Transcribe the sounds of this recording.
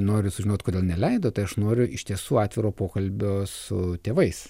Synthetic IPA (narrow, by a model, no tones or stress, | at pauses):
noːɾʲʊsʊʒʲɪnoːt̪ʲkoːdʲeːlˠnʲɛlʲɛɪd̪oːt̪ɐɪɐʃnoːɾʲʊɪʃt̪ʲiɛsuːɑːt̪ʲʋʲɪɾoːpoːkɐlʲbʲoːsʊt̪ʲeːʋɐɪs